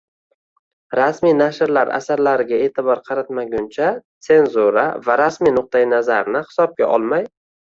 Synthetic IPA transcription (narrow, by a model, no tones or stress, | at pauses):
ɾasmijnaʃɾlaɾa̰saɾlaɾɪɡʲae̞ːt̪ʰɪbɒɾqʰɑɾat̪maɡʲʊnt͡ʃʰat̪se̞nzuɾa̰vaɾasmijnʊq̚t̪ajɪnazaɾnɪhɪ̥sɒb̚kʲa̰ʔɒ̰lˠmaj